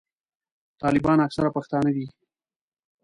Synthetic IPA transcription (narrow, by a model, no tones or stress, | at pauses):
t̪ɑːlɪbɑnaksaɾapaxt̪ɑːnad̪i